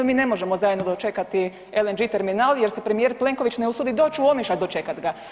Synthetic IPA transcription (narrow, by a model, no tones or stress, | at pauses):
miːne̞mo̞ʒe̞mozajed̪nod̪ot͡ʃe̞kat̪i | elend͡ʒit̪e̞ɾminalje̞ɾsepɾe̞mijeɾple̞ŋko̞ʋit͡ʃne̞usud̪id̪o̞ːt͡ʃuomeʃad̪ot͡ʃe̞kat̪ɡa